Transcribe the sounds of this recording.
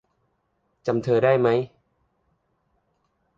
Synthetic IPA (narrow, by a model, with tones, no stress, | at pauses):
t͡ɕa˧mt̪ʰɤː˧daː˥˩jma˦˥j